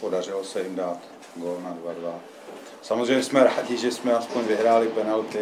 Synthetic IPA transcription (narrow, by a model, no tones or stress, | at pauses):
podar̝ɪlosɛjɪmdaːt̪ | ɡoːlnadvadva | samozrɛjɲɛsmɛɾaːɟɪʒɛsmɛaspoɲvɪɦɾaːlɪpɛnɛlt̪ɪ